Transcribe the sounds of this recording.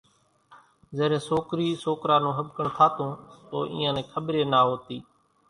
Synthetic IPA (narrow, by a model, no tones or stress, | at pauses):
zeːɾẽːsoːkɾiːsoːkɾaːnũːɦəbkəɳt̪ʰaːt̪õːso̰ːʔḭːãːnẽːkʰəɓɾeːnaːɦoːt̪iː